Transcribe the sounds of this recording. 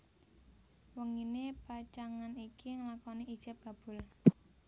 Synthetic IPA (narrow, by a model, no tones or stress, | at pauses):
wəŋinepat͡ʃaŋanikiŋəlakɔniʔid̥ʒ̥ə̤p̚ɡ̥a̤b̥ʊ̤l